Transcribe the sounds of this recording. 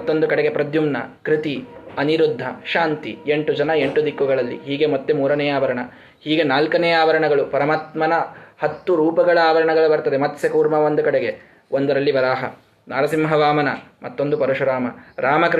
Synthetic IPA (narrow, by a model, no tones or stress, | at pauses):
ɐt̪ːo̞nd̪ukɐɽeɡe̞pɾɐd̪jumnɐ̰kɾit̪iɐniɾud̪ʱːɐʃaːnt̪ieɳʈud͡ʒɐnɐe̞ɳʈud̪ikːuɡɐɭɐlːḭɦiːɡe̞mɐt̪ːemuːɾɐnɛːjaːʋɐɾɐɳɐ | hiːɡenaːlkɐnɛjaːʋɐɾɐɳɐɡɐɭupɐɾɐmaːt̪mɐnɐhɐt̪ːuɾuːpɐɡɐɭɐaːʋɐɾɐɳɐɡɐɭubɐɾt̪ɐd̪emɐt̪sɐkuːɾmɐʋond̪ukɐɽeɡe̞ | ond̪ɐɾɐlːibɐɾaːɦɐ | naːɾɐsimɦɐʋaːmɐnɐmɐt̪ːo̞nd̪upɐɾɐʃuɾaːmɐɾaːmɐkɾ